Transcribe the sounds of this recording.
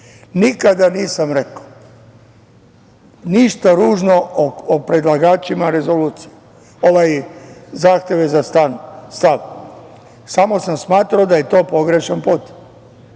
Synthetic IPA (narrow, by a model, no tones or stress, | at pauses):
nikad̪aniːsamɾekḁ | niʃt̪aɾuːʒnoopɾed̪lˠaɡaːt͡ʃimaɾe̞zo̞luːt̪sije | oʋajzaːxt̪jeʋezast̪anst̪aʋ | samo̞samsmaːt̪ɾaod̪aje̞t̪o̞ːpo̞ɡɾeʃenpot̪e̥m